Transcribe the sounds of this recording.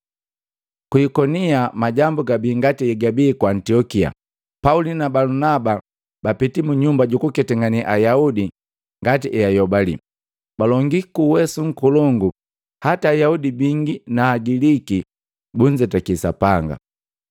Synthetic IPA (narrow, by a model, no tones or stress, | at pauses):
kuikɔniamaɟambuɡabiːŋɡatiɛɡabiːkwaːntiɔkia̰ | paulinabalunaba | bapitimuɲumbaɟukukɛtɛŋɡaniʔajaudi | ŋɡatiʔɛjajɔbalḭ | balɔŋɡikuwɛsuŋ̩kulɔŋɡu | hataːjaudibiŋɡinaːɡiliki | buɲd͡ʒɛtakisa̰paŋɡa̰